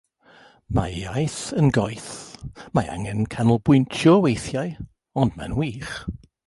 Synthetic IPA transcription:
maa̰jθənɡɔjθmaa̰ŋɛnkʰanəlˠbwʊntʰjɔwejθjaɨ | ɔndma̰nwiːχ

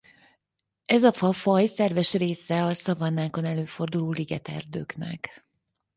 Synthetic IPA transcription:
ɛzɒfɒfɒjsɛrvɛʃreːsɛɒsɒvɒnːaːko̞nɛløːfo̞rd̪uloːliɡɛt̪ɛ̰rd̪ø̰ːknɛ̰k

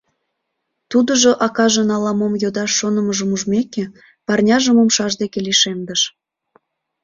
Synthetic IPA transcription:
t̪ud̪əʒoʔɑkɑʒənɑlɑmomjod̪ɑʃːonə̆məʒəmuʒmeke | pɑrnʲɑʒəmomʃɑʒd̪ekeliʃemd̪əʃ

